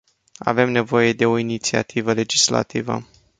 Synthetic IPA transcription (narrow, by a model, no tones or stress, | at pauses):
a̰ve̞mne̞vo̞je̞d̪e̞o̞init̪sia̰t̪ʰivəle̞d͡ʒisla̰t̪ivə̰